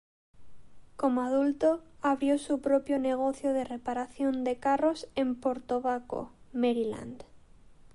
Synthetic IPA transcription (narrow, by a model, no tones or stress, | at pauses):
komoaðult̪oaβɾjosupɾopjoneɣ̞oθjoðerepaɾaθjond̪ekarosempoɾt̪oβako̰meɾila̰nd̪